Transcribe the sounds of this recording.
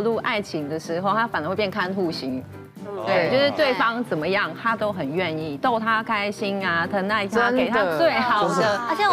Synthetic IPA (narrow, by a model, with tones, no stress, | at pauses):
lu˥˧ʔa˥˩ɪt͡ɕʰi˨˥ŋd̪ə˧ʂɻ̩˧˥xo˥˧ʊt̪ʰa˥fa˨˩nə˦xwpjɛ˥˩ŋkʰa˥nxu˥˩ɕi˧˦ŋ | t̪we˥˩ɪt͡ɕo˥˧ʊʂɻ̩˥˧t̪we˥˩ɪfɑ˦ŋt͡sə˨˩nmə˦jɑ˥˩ŋt̪ʰa˥t̪o˥ʊxə˨˩nɥɛ˥˧ni˥˩t̪o˥˩ʊt̪ʰa˥kʰa˥ɪɕi˦na˧t̪ʰə˧˥na˥˩ɪaə˥e˨˩t̪a˥˦t͡st͡swe˥˩ɪxɑ˨˩ʊd̪ə˦ə˧˥t͡ɕʰɛ˧